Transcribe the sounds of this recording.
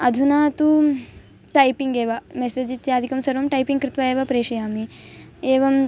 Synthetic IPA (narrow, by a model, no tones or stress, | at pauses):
ɐd̪ʱunat̪u | ʈajpiŋɡeːʋamesed͡ʒit̪jaːd̪ʱikɐmsɐɾʋɐmʈajpiŋɡkɾɪt̪ʋaeːʋapɾeːʂijamieːʋɐm